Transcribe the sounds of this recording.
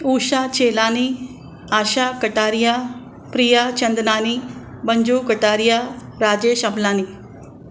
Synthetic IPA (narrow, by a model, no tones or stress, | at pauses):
uːɕat͡ɕelaːni | aɕakəʈaːɾja | pɾijat͡ɕɐnd̪naːnibəɲd͡ʑuːkəʈaɾja | ɾaːd͡ʑeʃɐblaːni